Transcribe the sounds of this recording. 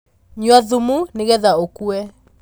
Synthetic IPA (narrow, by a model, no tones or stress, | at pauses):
ɲwaðumuneɣɛðaokuɛ